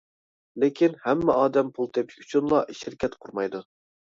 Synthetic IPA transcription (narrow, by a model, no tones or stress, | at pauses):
lɪkʲʰinhɛmːɛɑːd̪ɛmpʰulˠt̪ʰepɪ̥ʃy̥t͡ʃʰynlˠɑʔiʃɪɾkʲʰɛt̪qʰʊɾmɑjd̪u